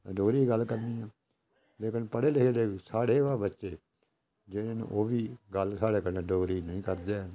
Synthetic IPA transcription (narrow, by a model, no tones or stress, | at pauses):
ɖoːɾiːɡəlkəɾniːɛː | leːkɪnpəɽeːlɪkʰeːleːsaːɽeːaːbətːʃeː | d͡ʒeɽeːnṵ̃ːʔoːʋiːɡəlsaːɽeːkəɾnẽːɖoːɾiːnəĩːkəɾd̪eːɦən